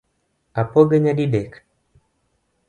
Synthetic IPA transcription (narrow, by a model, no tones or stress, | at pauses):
apɔɡɛɲaɗidɛk